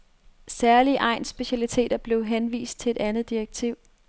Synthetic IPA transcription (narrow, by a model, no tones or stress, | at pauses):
sæɐliəʔɑ̈ɪnsb̥e̝ɕælit͡sʰe̝̰ːd̥ɐb̥le̝ʊɦenʋḭːsd̥̚t͡sʰe̝e̝dænð̩ˠd̥iʁɐɡ̥̚t͡sʰiʊ̰